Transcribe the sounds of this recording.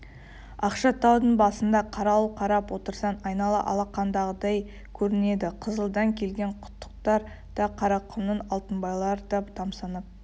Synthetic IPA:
ɑqʃɑt̪ʰɑwd̪əɴbɑsənd̪ɑqʰɑɾɑqʰɑɾɑpwo̞t̪əɾsɑnɑjnɑlˠə̰ʔɑ̰lˠɑqːɑnd̪ɑʁəd̪ɑj | kʲʰɵɾɪne̞d̪ɪqʰəzəlˠd̪ɑŋkʲʰe̞lɡʲe̞ɴqʰʊ̥t̪ːə̥q̚t̪ɑɾ | d̪̥ɑqʰɑɾɑqʰːʊnnənɑlˠt̪ənbɑjlˠɑɾd̪ɑt̪ʰɑmsɑnəp̚

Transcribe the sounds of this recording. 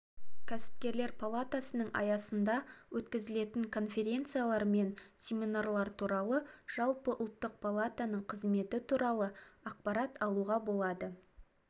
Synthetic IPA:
kʲʰæsɪ̥p̚kʲe̞ɾle̞ɾpʰalˠat̪asənəɴʔɑ̰jɑsənd̪ɑwʔɵt̪kʲɪzɪle̞t̪ɪŋkʰo̞nfʲe̞ɾʲe̞nt̪sɨjalˠɑɾme̞nsʲe̞mʲinarlˠɑɾt̪ʰuɾɑlˠəʒ̥ɑlˠpəʔʊlˠt̪ːəq̚pʰolˠat̪anəɴqʰəzme̞t̪ɪt̪ʰuɾɑlˠəɑq̚pɑɾɑt̪ʰɑlˠuʁɑbo̞lˠɑd̪ə

